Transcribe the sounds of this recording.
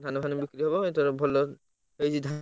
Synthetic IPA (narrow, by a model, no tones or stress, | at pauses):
d̪ʱanɔbʱanebikɾiɦɔbɔet̪ɔɾbʱɔlo | ɦejsid̪ʱa